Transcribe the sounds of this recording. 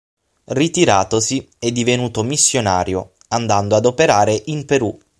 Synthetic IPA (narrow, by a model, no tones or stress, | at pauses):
rit̪iɾaːt̪osi | ɛd̪ːivenuːt̪omisːjona̰ːɾjo | and̪and̪oad̪opeɾaːɾeʔimpeɾu